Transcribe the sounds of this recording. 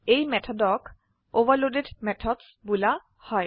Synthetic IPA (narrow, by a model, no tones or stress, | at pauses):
ejmɛt̪ʰɔdɔk | oʋalodedmɛt̪ʰɔdsbula | hɔj